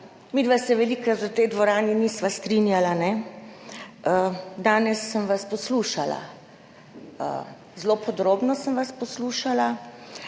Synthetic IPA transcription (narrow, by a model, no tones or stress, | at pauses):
mid̪ʋasɛʋɛlikɾat̪ət̪ɛjd̪ʋɔɾaːninisʋast̪ɾinjalanɛ | əd̪aːnɛsːəmʋaspɔsluːʃala̰ | ə̰ | zlopʰɔd̪ɾoːbnɔsəmʋaspɔsluʃala